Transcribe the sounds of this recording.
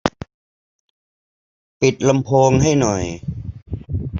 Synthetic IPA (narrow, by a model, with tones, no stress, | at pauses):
pi˨˩t̪̚la˧mpʰoː˧ŋɦa˥˩jnɔ˨˩j